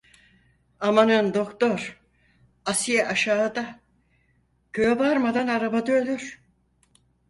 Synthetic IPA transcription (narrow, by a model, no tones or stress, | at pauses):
amanɯnd̪o̞kt̪o̞ɾ | asijɛʔaʃaːɯd̪a | købaɾmad̪anaɾabad̪ɯølʲyɾ̥